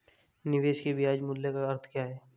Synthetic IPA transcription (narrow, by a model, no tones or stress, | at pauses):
nɪʋeːʃkibiaːd͡ʒmʊlːekaɐɾt̪ʰkjaːɦɛː